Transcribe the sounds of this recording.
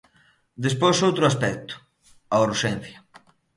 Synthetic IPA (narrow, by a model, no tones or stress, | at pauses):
d̪espojsowt̪ɾʊaspɛk̚t̪ʊ̥ | auɾʃɛ̃n̟θjɐ